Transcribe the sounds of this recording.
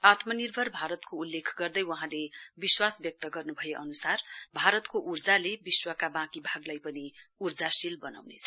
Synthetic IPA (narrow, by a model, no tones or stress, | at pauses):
at̪mʌnirbʱʌrbʱaɾʌt̪koulːekʰɡʌrd̪ʌjwʌɦãlebiswasbjʌk̚t̪ʌɡʌrnubʱʌjeʔʌnusarbʱaɾʌt̪koʔurd͡zalebiswʌkabãkibʱaɡlajpʌniurd͡zasilbʌna̰wnet͡sʰʌ̥